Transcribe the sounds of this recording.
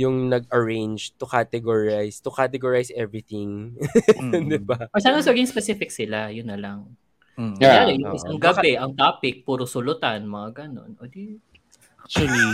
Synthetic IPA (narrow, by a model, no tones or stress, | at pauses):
jʊŋnɐɡ̚ʔɐɹẽjnd͡ʒt̪ʊkat̪ɛɡoɹajst̪ʊkat̪ɛɡoɹajsʔɛvɹit̪ɪŋ | d̪ɪbaɐsaːnosɐlɡɪŋspɛsifɪk̚sɪlajʊnːɐlaŋ | ɐjaːlojʊŋɪsaŋɡɐbɛʔɐŋt̪aːpɪk̚puːɾosʊlʊt̪anmɐŋaɡɐno̞̰nʔod̪i | akt͡ʃɐli